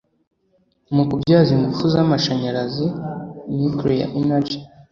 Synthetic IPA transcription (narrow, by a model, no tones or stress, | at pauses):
mukubɟaːziŋɡufuzamaʃaɲaɾazimikɾoja̰ʔimad͡ʒi